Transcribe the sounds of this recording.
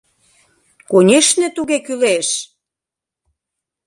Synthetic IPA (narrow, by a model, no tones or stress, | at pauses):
konʲeʃnĕt̪uɣekyleʃ